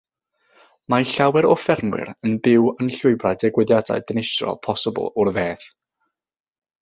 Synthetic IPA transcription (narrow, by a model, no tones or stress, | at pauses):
maɬawɛɾɔfɛrmwɪ̰ɾənbɪwənɬʊɨbrajdɛɡwɨðjada̰ɨdənɪsrɔ̰lˠpʰɔsəbə̰lˠʊrveːθ